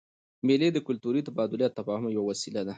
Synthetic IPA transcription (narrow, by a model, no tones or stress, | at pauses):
meled̪əkʊlt̪uɾit̪abɑd̪ʊljat̪ːafɑhʊmjawawasilad̪a